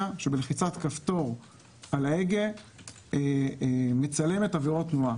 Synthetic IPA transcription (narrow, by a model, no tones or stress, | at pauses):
aʃebeleχit͡satkaft̪o̞ʁ | alaeɡe | e | met͡sale̞me̞taviʁotnua